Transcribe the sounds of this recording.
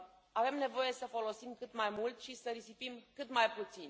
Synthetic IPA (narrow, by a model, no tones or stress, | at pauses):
ave̞mne̞vo̞je̞səfo̞lo̞simkɨt̪majmult̪ʃisəɾisipimkɨt̪majput̪sin